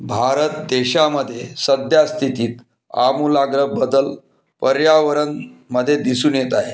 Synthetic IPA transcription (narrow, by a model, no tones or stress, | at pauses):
bʱaɾət̪̚d̪eɕaməd̪ʱːjesəd̪ʱjast̪ʰit̪iːt̪ | a̰mulaɡɾəbəd̪əl | pəɾjaʋəɾənməd̪ʱːjed̪isuːnjet̪aɦe